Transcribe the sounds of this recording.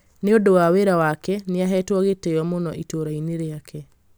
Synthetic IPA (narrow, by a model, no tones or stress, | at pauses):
neodowaweɾawakɛneaɦɛtwɔɣetɛjɔmonɔʔitoɾaineɾeakʰɛ